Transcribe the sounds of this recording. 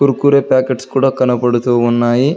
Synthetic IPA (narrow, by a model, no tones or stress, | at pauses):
uɾukuːɾeːpaːkeʈskuːɽaːkɐnɐpɐɽut̪uʋʋunːaːji